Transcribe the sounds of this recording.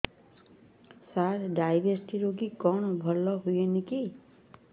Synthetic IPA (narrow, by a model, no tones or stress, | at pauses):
saɾɖajbʱeɾsʈiɾoɡikɔɳ̃ɔbʱɔlɔɦujeniki